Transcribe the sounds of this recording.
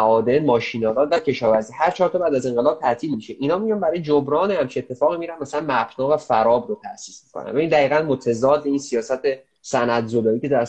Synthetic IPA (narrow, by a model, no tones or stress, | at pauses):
ʔɒːd̪enmɒːʃinɒːlɒːd̪væcʰe̞ʃɒːvæɾziːhæɾt͡ʃʰɒːɾt̪ʰɒːbæːd̪æze̞ŋɢelɒːb̚t̪ʰæt̪ʰiːlmiʃeʔinhɒːmijɒnbæɾɒːjed͡ʒobɾɒːnehæmt͡ʃʰiet̪ʰːe̞fɒːɣimiːɾænmæsælænmæbnɒːvæfæɾɒːbɾot̪ʰæsiːsmi̥kʰo̰næ̰nvæind̪æɣiːɣænmot̪ʰezɒːd̪ːeiːnsijɒːsæt̪ʰe | sænæd̪zolɒːiːced̪æ